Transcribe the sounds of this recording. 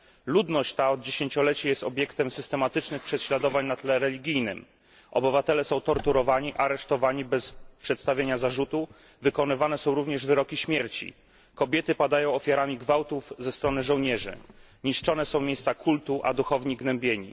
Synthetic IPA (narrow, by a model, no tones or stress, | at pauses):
lud̪nɔɕt͡ɕt̪aɔd̪̚d͡ʑeɕeɲt͡ɕɔlɛt͡ɕajɛst̪ɔbʲjɛkt̪ɛmsɘst̪ɛmat̪ɘt͡ʂnɘxpʂɛɕlad̪ɔvaɲnat̪lɛɾɛlʲiɡʲijnɘm | ʔɔ̰bɘvat̪ɛlɛsɔ̃w̃t̪ɔɾt̪uɾɔvaɲiʔaɾɛʂt̪ɔvaɲibɛspʂɛt̪st̪avʲjeɲazaʐut̪u | vɘkɔnɘvanɛsɔ̃w̃ɾuvɲɛʐvɘɾɔkʲiɕmʲjɛɾt͡ɕḭ | kɔbʲjɛt̪ɘpad̪ajɔ̃w̃ɔfʲjaɾamʲiɡvawt̪uvzɛst̪ɾɔnɘʐɔ̃wɲɛʐɘ̰ | ɲiʂt͡ʂɔnɛsɔ̃w̃mʲjejst̪sakʰult̪uʔa̰d̪uxɔvɲiɡnɛmbʲjeɲḭ